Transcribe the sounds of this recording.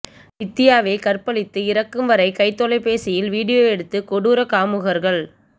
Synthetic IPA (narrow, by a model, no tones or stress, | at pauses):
ɪt̪ːɪjaːʋeːkɐrpɐɭɪt̪ːɯɪɾɐkːɯmʋɐɾɐɪkɐɪt̪ːɔlɐɪpeːsɪjɪlʋiːɽɪjoːɛɽɯt̪ːɯkɔɽuːɾɐkaːmɯɣɐɾɣɐɭ